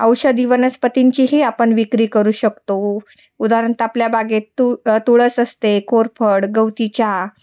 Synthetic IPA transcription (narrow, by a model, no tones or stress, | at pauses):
əwɕəd̪iʋənəspət̪iɲt͡ɕiːɦeapəɳʋikɾiːkəɾuːɕəkt̪o | ud̪aɾənt̪apljabʱaɡet̪ut̪ʰuɭəːsəst̪ekʰoɾpʰəɽɡəwt̪it͡ɕa